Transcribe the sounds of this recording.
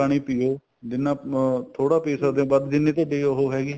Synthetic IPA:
aːɽ̃iːpɪjoː | d͡ʒ̪ɪnːãːt̪ʰoːɽaːpeːsaːd̪eõːbəd̪d͡ʒɪnːẽːt̪̬oɖeːoɦoːɦɛːɡiː

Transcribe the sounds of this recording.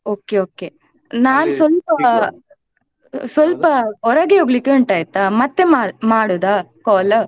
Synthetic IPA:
oːkeoːke | naːnsʋɐlpɐ | sʋɐlpɐɔɾɐɡeɦoɡɐlikːeuɳʈaːjt̪ːamɐt̪ːemaːmaːɽoːd̪akɔːlɐ

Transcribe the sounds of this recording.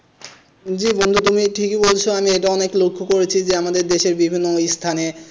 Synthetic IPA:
d͡ʑibond̪ʱut̪̬umiʈʰikebolt͡ɕʰoamieʈaɔneklokʰːokoɾet͡ɕʰid͡ʑeamad̪eɾd̪eʃeɾbibʱinːoojst̪ʰane

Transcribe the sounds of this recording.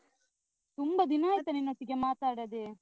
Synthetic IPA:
t̪umbɐd̪inaːjt̪ɐninːoʈ̪ːiɡemaːt̪aːɽɐd̪e

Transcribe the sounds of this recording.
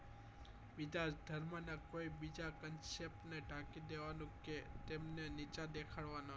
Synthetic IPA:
bid͡ʒad̪ʱəɾmanakoibid͡ʒakənsep̚ʈneʈakid̪eʋanũket̪emnenit͡ʃad̪ekʰaɭʋana

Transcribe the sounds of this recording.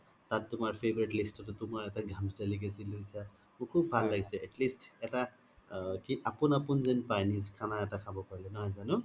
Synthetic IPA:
t̪att̪umaɹpʰebɔɹeʈlisʈɔtɔt̪umaɹetaɡʱamsdaliɡesʰilujsʰa | mukʰubbʱalːaɡsʰeʔɛʈlisʈeta | kiʔapunapunzenpanizkʰanaetakʰabɔpaɹlenɔɦʌjzanu

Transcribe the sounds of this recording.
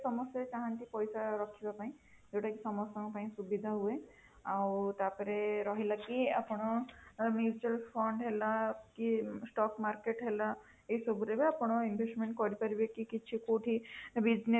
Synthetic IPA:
sɔmɔsɔt͡ʃaɦãnʈ̪ipɔjsaɾɔkʰibapaɦĩ | d͡ʒewʈʰakisɔmɔsɔŋpaĩsubid̪ʱaɦue | awt̪apɔɾeɾɔɦilakiapɔɽ̃ɔmud͡ʒt͡ʃalpʰɔɳɖɦelakisʈɔkmaɾkeʈɦela | ejsɔbuɾebeapɔɽ̃ɔinbʱesʈmẽɳʈ̚kɔɾipaɾibekikit͡ʃʰikoʈʰibid͡ʒne

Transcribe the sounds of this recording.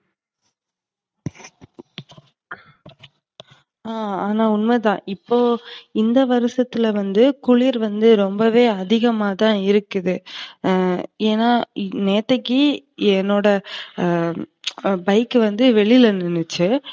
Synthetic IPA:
aːaːnaːʊnmɐt̪ãːʔɪpːoːɪnd̪ɐʋɐɾɯsɐt̪ːɪlʋɐnd̪ɯkʊɭiɾʋɐnd̪ɯɾɔmbɐʋeːɐðɪɣɐmaːt̪ãːɪɾɯkːɯðɯ | eːnaːneːt̪ːɐkːi | ɛnːoːɽɐ | bɐɪkːɯʋɐnd̪ɯʋɛɭɪlɐnɪnːɯt͡ʃːɯ

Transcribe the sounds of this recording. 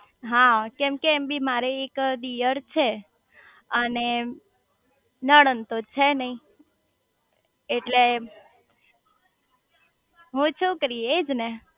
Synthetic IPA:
ɦãkɛ̃mkeːmbimaɾeːkd̪ijəɾt͡ʃʰe | əne | nəɽənt̪ot͡ʃʰenəĩ | ʈle | ɦũt͡ʃʰũkəɾiːd͡ʒne

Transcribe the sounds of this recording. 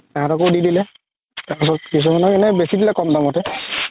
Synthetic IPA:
aɦãtɔkowdidilɛ | taɹpas̬ɔt̚kis̬umanɔkɛnɛbesidilɛkɔmdamɔtɛ

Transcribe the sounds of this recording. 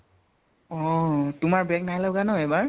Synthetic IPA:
ɔtʊmaɹbɛk̚najlabɡanɔɛbaɹ

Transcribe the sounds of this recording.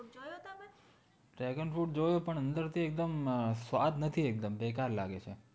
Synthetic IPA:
ʈɾɛɡənfuʈ̚d͡ʒojopəɳənd̪əɾt̪ʰiek̚d̪əmsʋad̪nət̪ʰiek̚d̪əmbekaɾla̰ɡet͡ʃʰe

